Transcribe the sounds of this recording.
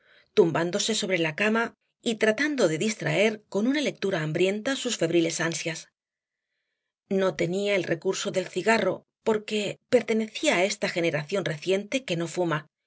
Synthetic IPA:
t̪umband̪o̞se̞so̞β̞ɾe̞lakama | it̪ɾat̪and̪o̞ðe̞ðist̪ɾa̰e̞ɾko̞nunale̞k̚t̪uɾaːmbɾje̞nt̪asusfe̞βɾile̞sansjas | no̞t̪e̞niaelrʔe̞kuɾso̞ðe̞lθiɣaro̞̰ | po̞ɾke̞pe̞ɾt̪e̞ne̞θiaːe̞st̪axe̞ne̞ɾaθjo̞nre̞θje̞nt̪e̞ke̞no̞fuma

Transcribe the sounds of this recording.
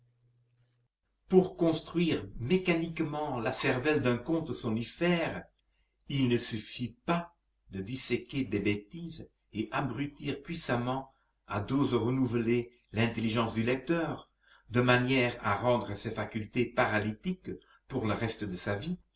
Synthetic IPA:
puʁkɔ̃st̪χɥiːʁmekanikmɑ̃lasɛʁvɛld̪œ̃kɔ̃t̪əsɔ̃nifɛːʁ | ilnəsyfipa | d̪əd̪iseked̪ebet̪iz | eʔabʁyt̪iːʁpɥisamɑ̃ | a̰d̪ozəʁənuvle | lɛ̃t̪eliʒɑ̃sd̪ylɛk̚t̪œːʁ | d̪əmanjɛːʁaʁɑ̃d̪ʁəsefakylt̪epaʁalit̪ik | puʁləʁɛst̪əd̪əsavi

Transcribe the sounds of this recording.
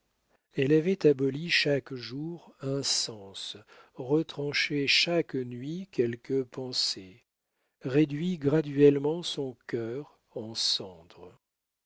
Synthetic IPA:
ɛlavɛt̪abɔliʃakʒuʁɛ̃sɑ̃sʁət̪χɑ̃ʃeʃaknɥikʲɛlkəpɑ̃se | ʁed̪ɥiɡʁad̪ɥɛlmɑ̃sɔ̃kʲœʁ | ɑ̃sɑ̃d̪ʁə

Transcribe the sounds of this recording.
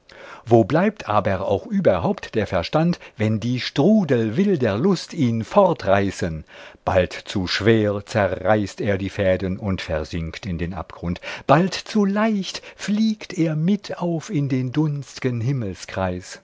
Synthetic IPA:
voːblaɪp̚tʰʔa̰ːbɐa̰ʊxʔyːbɐɦaʊptd̥eːɐfɛɐʃtantvɛndiːʃtʁ̥uːdl̩vɪldeːɐlʊstiːnfɔʁtʁaɪsənb̥a̰ltt͡suʃv̥eːʁt͡sɛʁʁaɪsteːɐdiːfɛːdənʊntfɛɐzɪŋktɪndeːnʔa̰pɡ̥ʁʊntb̥altt͡sulaɪçtfliːktʰeːɐmɪtʰaʊfɪndeːndʊnstɪɡənɦɪml̩skʁ̥aɪs

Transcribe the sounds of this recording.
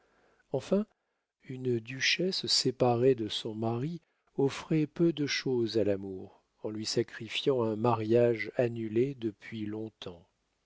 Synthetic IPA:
ɑ̃fɛ̃ | ynd̪yʃɛsːepaʁed̪əsɔ̃maʁi | ɔfχɛpød̪əʃozalamuʁ | ɑ̃lɥisakχifjɑ̃ɛ̃maʁjaʒanyled̪əpɥilɔ̃t̪ʰɑ̃

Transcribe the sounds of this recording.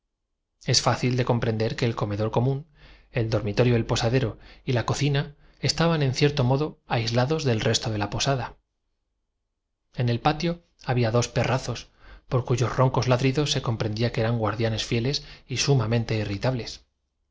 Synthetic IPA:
e̞sfaθild̪e̞ko̞mpɾe̞nd̪e̞ɾke̞ːlko̞me̞ðo̞ɾko̞mũn | e̞ld̪o̞ɾmit̪o̞ɾjoelpo̞saðe̞ɾo̞ilako̞θina | e̞st̪aβane̞n̟θje̞ɾt̪o̞mo̞ðo̞ajzlaðo̞zðe̞lrʔe̞st̪o̞ðe̞lapo̞saða | e̞ne̞lpat̪jo̞ | aβiaðo̞spe̞raθo̞s | po̞ɾkuʝo̞sro̞ŋko̞zlaðɾiðo̞sːe̞ko̞mpɾe̞nd̪iakeeɾaŋɡwaɾðjane̞sfje̞le̞sisumamẽ̞nt̪e̞irit̪aβle̞s

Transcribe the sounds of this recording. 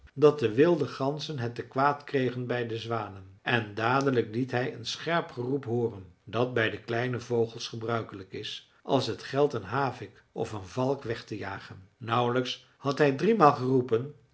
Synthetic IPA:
dɑt̚dəʋɪlˠdəχɑnzənɦətːəkʋaːtkrejχənbɛjdəzʋaːnən | ʔɛndaːdələklitɦɛjənsχɛɹpχərupɦʊːrəndɑt̚bɛjdəklɛjnəvowχəlˠsχəbrœɥkələkɪs | ʔɑ̰lˠsɦətχɛlˠtənɦaːvɪk | ɔ̰fənvɑlˠkʋɛχtəjaːχənːʌwləks | hɑtɦɛjdrimaːlˠχərupən

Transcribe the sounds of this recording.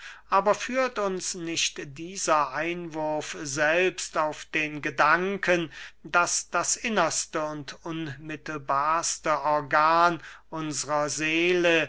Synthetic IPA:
ʔaːbɐfyːɐtʊnsnɪʃtd̥iːzɐʔaɪnvʊɐfzɛlpstaʊfd̥eːnɡədaŋkʰəndasd̥asʔɪnɐstəʊntʊnmɪtəl̩baːɐstəʔɔɐɡaːnʔʊnzəʁɐzeːlə

